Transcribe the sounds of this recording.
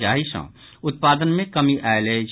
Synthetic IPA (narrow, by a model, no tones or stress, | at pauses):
d͡ʒaːɦisɔ̰̃ | ʊt̪̚paːd̪ənmẽkəmiʔaːeled͡ʒ